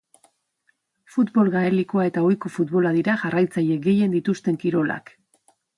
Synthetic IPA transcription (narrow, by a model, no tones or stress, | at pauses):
fut̪bo̞lɣaeliko̞ae̞t̪ao̞jko̞fut̪βo̞laðiɾaʝarajt͡saʎe̞ɡe̞je̞nd̪it̪ust̪e̞ŋkiɾo̞la̰k